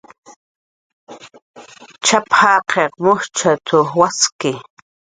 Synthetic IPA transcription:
t͡ʃaphaːqʰeqmʊht͡ʃat̪ʊwaskɪ

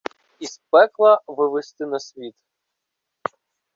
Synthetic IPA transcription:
ispɛklˠɐʋɪʋest̪ɪnɐsʲʋʲit̪

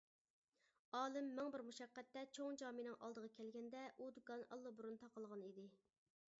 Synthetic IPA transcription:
ɑːlˠɪmːɛŋbɪɾmuʃɛqːɛt̪ːɛt͡ʃʰoŋd͡ʒɑːminɨŋʔɑ̰lˠd̪əʁɑkʲʰɛlɡʲɛnd̪ɛʔud̪ɡɑnɑ̰lˠːɨbuɾunt̪ʰɑqəlˠʁɑnid̪ɪ

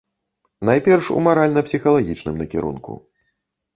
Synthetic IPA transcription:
najpʲɛrʂṵmaɾalʲnɐpsʲixɐlˠaɣʲit͡ʂnɨmnɐkʲḭɾṵnkṵ

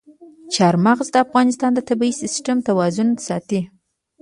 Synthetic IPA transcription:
t͡ʃɑɾmaɣzd̪əafɣɑnɪst̪ɑnd̪ət̪abiisɪsʈamt̪awɑzʊnsɑt̪i

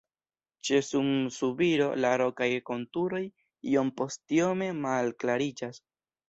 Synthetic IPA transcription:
t͡ʃe̞sumsubiɾo̞laɾo̞kajko̞ntuɾo̞j | io̞mpo̞stio̞me̞malklaɾid͡ʒas

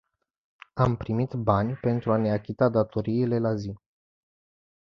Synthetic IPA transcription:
ampɾimit̪banʲpe̞nt̪ɾuane̞akʲit̪ad̪at̪o̞ɾiːle̞lazi

